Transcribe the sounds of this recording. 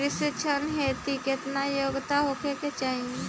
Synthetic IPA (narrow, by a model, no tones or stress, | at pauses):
ɾɪset͡ʃʰənɦeːt̪ikɪt̪najoːɡt̪aɦokeket͡ʃaːɦĩ